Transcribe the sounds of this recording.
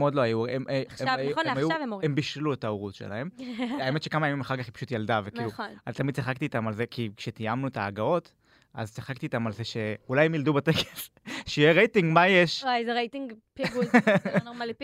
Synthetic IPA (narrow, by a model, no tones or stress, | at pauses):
mod̪loajuemeevmajuavemembiʃluetaoʁut̪ʃḛla̰e̞maemetʃe̞kamajamimaχaʁkaχipaʃut̪jald̪avekiluonat̪amid̪̚t͡siχakt̪iːt̪amalze̞kʰikʃet̪ijamnuetaːɡao̞t̪ | ʔa̰zt͡siχakt̪iːt̪amalzeʃeulajemjald̪ubat̪ekes | ʃeijeʁejtiŋɡmajeʃajzeʁejtiŋɡpɡunomali